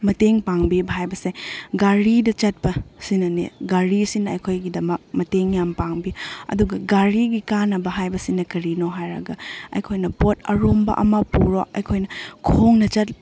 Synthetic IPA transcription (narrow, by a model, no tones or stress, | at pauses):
mɐteŋpaŋbibɦajbɐseɡaɾidɐt͡ʃɐt̚pɐsinɐnḛɡaɾisinːɐːjkʰojɡidɐmɐk̚mɐteŋjampaŋbiɐ̰duɡɐɡaɾiɡikanɐbɐɦajbɐsinɐkɐɾinoɦajɾɐ̰ɡɐɐ̰jkʰojnɐpotʰɐɾombɐ̰ʔɐ̰mɐpuɾoɐ̰jkʰojnɐkʰoŋnɐt͡ʃɐt̚